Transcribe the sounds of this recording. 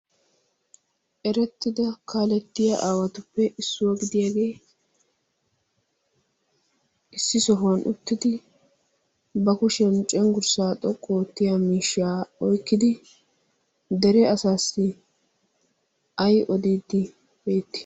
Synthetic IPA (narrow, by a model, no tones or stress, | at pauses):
ʔɛɾɛt̪ːɪd̪ɐkʰaːlɛt̪ːɪjaʔaːwɐt̪ʊpːɛʔɪsːʊwɐɡɪd̪ɪjaːɡe̞ː | ʔɪsːɪsɔɦwɐnʔʊ̰t̪ːɪd̪ɪ | bɐkʊʃɛnt͡ʃʼɛŋɡʊɾsaːt̪ʼɔkʼːoːt̪ːɪjamiːʃːaːɔjkːɪd̪ɪ | d̪ɛɾɛɐsaːsːɪ | ɐjʔɔd̪iːd̪ːɪ | be̞ːt̪ːɪ̥